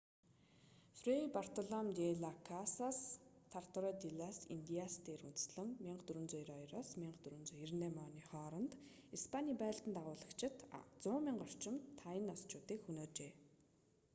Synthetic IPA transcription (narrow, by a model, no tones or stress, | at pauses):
frepar̥t̪ʰɔɮɔmt̪eɮakʰasast̪ʰar̥t̪ɔɾɔt̪iɮasint̪iast̪eːɾunt͡s̪̆sɮə̆ŋmiɴɢət̪ɵɾɵ̆nt͡sʊjɾɔjɾaːsmiɴɢət̪ɵɾɵ̆nt͡sʊjirnemɔːniːχɔːɾɞ̆nt̪ | ispʰaniːpæ̆ːɬt̪ənt̪aʁʊːɮə̆kt͡ɕʰɪ̆t̪t͡sʊːmiɴɢɔr̥t͡ɕɪ̆mt̪ʰːajɪ̆nɔst͡ɕʰʊːt̪iːkxunoːt͡ɕeː